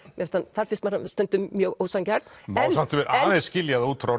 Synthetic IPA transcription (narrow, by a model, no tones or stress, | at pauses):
jɛst̪anθaɾ̥fɪnst̪maɾast̪œnt̪ʏmjœɣowsancaɾt̪nɛsam̥t̪vɛɾʔaːðescɪljaðauːt̪fɾaw